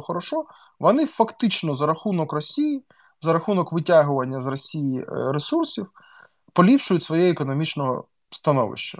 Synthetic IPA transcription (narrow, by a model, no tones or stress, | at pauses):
xɔɾɔʃɔ | ʋɔnɪfɐkt̪ɪt͡ʃnɔzɐɾɐxunɔkrɔsʲiji | zɐɾɐxunɔkʋɪtʲaɦʊʋɐnʲːɐzrɔsʲijiɾesursʲiw | pɔlʲipʃʊjʊtʲsʋɔjɛekɔnɔmʲit͡ʃnɔɦɔ̰ | st̪ɐnɔ̰ʋɪ̰ʃt͡ʃɐ